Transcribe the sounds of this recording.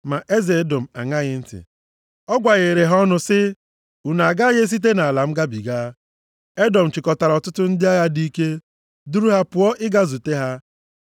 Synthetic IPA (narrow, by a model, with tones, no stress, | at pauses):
ma˨ʔe˦ze˨e˦do˨m̩˨a̰˨ŋa˦ɣɪ˦n̩˦tɪ̰˨ | ɔ˦ɡʷa˨ɣe˨ɾe˨ɦɔ˦nʊ˦sɪ˦ | u˨na˨a˨ɡa˦ɣe˦s̬i˦t̬e˦na˨la˨m̩˦ɡa˦bi˨ɡaː˦ | e˦dɔ˨m̩˨t͡ʃɪ˨kɔ˨ta˨ɾɔ˨tʊ˦tʊ˦n̩˦dɪ˦a˦ja˦di˦ke˦ | du˦ɾu˦ɦa˦pʊ˨˦ɔ˦ʔɪ˦ɡa˦zu˨te˦ɦa˦